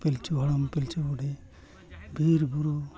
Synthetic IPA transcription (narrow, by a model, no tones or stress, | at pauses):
pelt͡ʃʰuɔɽɔmpelt͡ʃubuɖe | bʱiɾbuɾu